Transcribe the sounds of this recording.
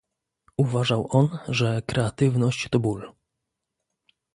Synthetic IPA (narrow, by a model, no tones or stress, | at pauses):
uvaʐawʔɔnʐɛkɾɛat̪ɘvnɔɕt͡ɕt̪ɔbul